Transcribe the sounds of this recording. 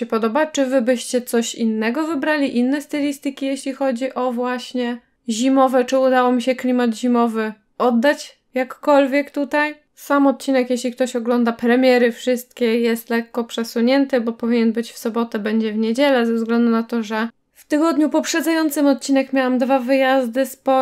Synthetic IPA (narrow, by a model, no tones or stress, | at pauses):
ɛpɔd̪ɔbat͡ʂɘvɘbɘɕt͡ɕɛt̪sɔɕḭnːɛɡɔvɘbɾalʲiʔinːɛst̪ɛlʲist̪ɘkʲijɛɕlʲixɔd͡ʑiʔɔvwaɕɲɛ | ʑimɔvɛt͡ʂɘud̪awɔmʲiɕɛklʲimat̪ʑimɔvɘ | ʔɔd̪ːat͡ɕ | jakːɔlvʲjɛkt̪ut̪aj | samɔt̪̚t͡ɕinɛkjeɕlʲik̚t̪ɔɕɔɡlɔnd̪apɾɛmʲjɛɾɘfʂɘst̪̚kʲɛjɛst̪lɛkːɔpʂɛsuɲɛnt̪ɘbɔpɔvʲiɲɛnbɘt͡ɕfsɔbɔt̪ɛbɛɲd͡ʑɛvɲed͡ʑɛlɛzɛvzɡlɛnd̪unat̪ɔʐɛ | ft̪ɘɡɔd̪ɲupɔpʂɛd̪zajɔnt̪sɘmɔt̪̚t͡ɕinɛkmʲjawamd̪vavɘjazd̪ɘspɔ